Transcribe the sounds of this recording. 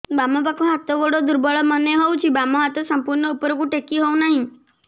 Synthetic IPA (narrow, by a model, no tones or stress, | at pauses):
bamɔpakõɦat̪oʋoɽod̪uɾbɔɭɔməneɦɔũt͡ʃʰibamɔɦat̪osəmpuɾɳəupɾokũʈekiɦoũnaɦĩ